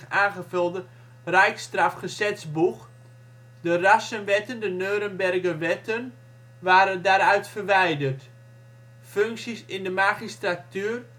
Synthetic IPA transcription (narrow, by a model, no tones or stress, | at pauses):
aːnχəfølˠdə | rɛjkstrafχəsɛsbux | dərasənʋɛtəndənøːɾənbɛrɡəʋɛtən | ʋaːɾəndaːɾœɥtfərʋɛjdərt | føŋksisɪndəmaχistratyːr